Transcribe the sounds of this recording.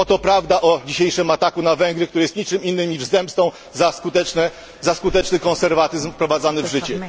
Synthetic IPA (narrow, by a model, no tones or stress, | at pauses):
ɔt̪ɔpɾavd̪aʔɔd͡ʑiɕejʂɘmat̪akunavɛŋɡɾɘkt̪uɾɘjɛst̪ɲit͡ʂɘminːɘmɲiʐzɛmpst̪ɔ̃w̃ | zaskut̪ɛt͡ʂnɛ | zaskut̪ɛt͡ʂnɘkɔñsɛɾvat̪ɘzmfpɾɔvad̪zanɘvʐɘt͡ɕɛ